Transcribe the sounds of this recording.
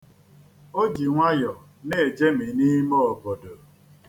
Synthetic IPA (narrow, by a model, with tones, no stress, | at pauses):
o˦d͡ʒi˨ŋʷa˦jɔ˨ | ne˦e˨d͡ʒe˦mi˨ni˦mo˦ɔ˨bɔ˨do˨